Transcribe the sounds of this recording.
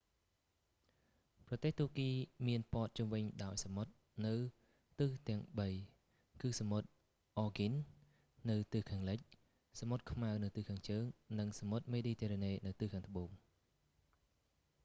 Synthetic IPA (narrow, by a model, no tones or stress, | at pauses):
prɑt̪eːht̪uəkiːmiənpoət̪̚t͡ɕumʋɨɲɗaɔjsamot̪̚ | nɨw | t̪ɨːht̪ɛ̆əŋɓəj | kɨːsamot̪̚ | ʔɔːɡinː | ɨwt̪ɨːhkʰaːŋlɨc̚ | samot̪̚kʰmaəwnɨwt̪ɨhkʰaːŋt͡ɕəːŋnɨŋsamot̪̚meːɗiːt̪ʰeɾɛneːnɨwt̪ɨːhkʰaːŋt̪ə̆ɓoːŋ